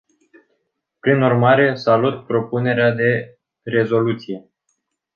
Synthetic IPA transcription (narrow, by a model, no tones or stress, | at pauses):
pɾinurmaɾe̞salut̪pɾo̞pune̞ɾead̪e̞ | re̞zo̞lut̪sije̞